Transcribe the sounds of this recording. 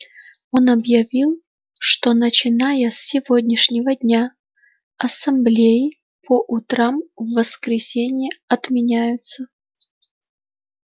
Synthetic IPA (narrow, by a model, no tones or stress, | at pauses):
o̞nɐbjɐvʲilˠ | ʂt̪o̞nət͡ɕɪnajəsːʲɪvodʲnʲɪʂnʲɪvədʲnʲa | ɐsɐmblʲejɪ | pʰəʔʊt̪ɾamvːəskɾʲɪsʲenʲɪjəɐt̪mʲɪnʲæjʊt̪sə